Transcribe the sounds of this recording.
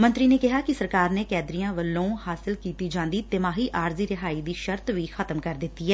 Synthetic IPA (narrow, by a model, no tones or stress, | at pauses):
mə̃nt̪ɾiːneːkɪɦaːkɪsəɾkaːɾneːkɛːd̪ɾijãːʋəlːõːhaːsɪlkiːt̪iːd͡ʒãːnd̪iːt̪ɪmaːɦiːʔaːɾziːɾɪɦaːiːd̪iːʃəɾt̪ʋiːxʰət̪əmkəɾd̪ɪt̪ːiːɛː